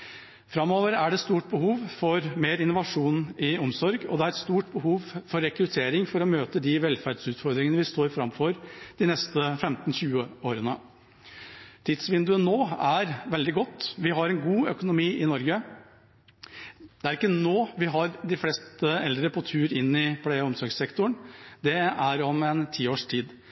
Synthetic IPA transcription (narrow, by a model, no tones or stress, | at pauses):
fɾɑmoːʋəɾæɖɛst̪uːʈ̚bəhuːʋfɔɾmeːɾɪnːʊʋɑʂuːnɪʊmsɔɾɡɔ̰d̪ɛæɾɛt̪st̪uːʈbəɦuːʋfɔɾːɛkɾʉt̪ʰeːɾɪŋfɔɾɔmøːt̪əd̪ɪʋɛlfæɖsʉːt̪fɔɾd̪ɾɪŋənəʋɪst̪oːɾfɾɑmfɔɾd̪̥ɪnɛst̪əfɛmt̪n̩çʉːəoːɾənə | t̪ʰiːd̪̥sʋɪnd̪ʉənːoːæɾʋɛld̪ɪɡɔt̪ːʋɪɦɑɾɛnɡuːœ̰kʊnʊmiːʔɪnɔɾɡə | d̪ɛæɾɪkːənoːʋɪɦɑɾd̪ɪfleːst̪ɛld̪ɾəpʰɔt̪ʰʉːɾɪnːɪpʰleːɔmsɔɾɡsɛkt̪ʊəɳd̪ɛæɾɔmɛnt̪ʰiːoːʂʈʰiːd̪